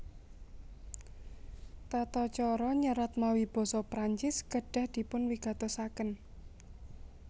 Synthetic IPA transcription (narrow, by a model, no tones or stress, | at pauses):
t̪at̪ɔt͡ʃɔɾɔɲəɾat̪̚mawib̥ɔ̤sɔpɾaɲt͡ʃɪskəɖ̥a̤hd̪̥i̤pʊnwiɡ̥a̤t̪ɔsakən